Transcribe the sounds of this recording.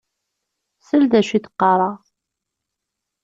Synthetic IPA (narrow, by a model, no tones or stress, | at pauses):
səld̪æʃiθə̥qːɑɾˤɑʁ